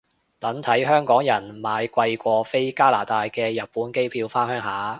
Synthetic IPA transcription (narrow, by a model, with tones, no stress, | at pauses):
t̪ɐ˨˥ŋt̪ʰɐ˨˥jɦœː˥ŋkɔː˨˥ŋjɐ˨˩nmaː˨˧jkʷɐ˧jkʷɔː˧fe˥jkaː˥la̰ː˨˩t̪aː˧jkɛː˧jɐ˨t̚pːuː˨˥nke˥jpʰiː˧wfaː˥nhœː˥ŋɦaː˨˥